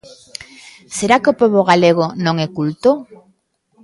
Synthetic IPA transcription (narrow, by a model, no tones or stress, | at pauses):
seɾakeopɔβ̞oɣ̞aleɣ̞onõŋekult̪o